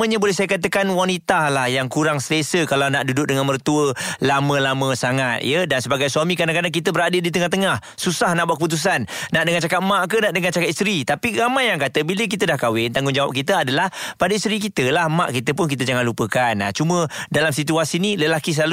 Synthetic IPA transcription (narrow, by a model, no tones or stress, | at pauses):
əɲabolɛhsajəkat̪̬əkanwanit̪alahjaŋkuɾaŋsələsəkalawnaʔdudʊk̚dəŋanmərt̪uəlamə̃lamə̃saŋat̪̚jədansəbaɡajsuamikɾadaŋkadaŋkit̪əbəɾadədit̪əŋaht̪əŋah | susahnaʔbuaʔkəput̪̬us̬anːaʔdəŋant͡ʃakat̪̚maʔkənaʔdəŋant͡ʃakat̪ist̪ɾit̪apiɾamajːaŋkat̪əbilək̬it̪ədahkawɪnt̪aŋɡʊŋd͡ʒawap̚kit̪əadalahpadaist̪ɾikit̪əlahmaʔkit̪əpʊnkit̪əd͡ʒaŋanlupəkana̰t͡ʃumə̃dalamsit̪uasiniləlakis̬əlal